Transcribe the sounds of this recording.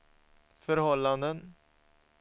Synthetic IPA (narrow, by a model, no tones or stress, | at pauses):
fœɾhɔlːand̪ən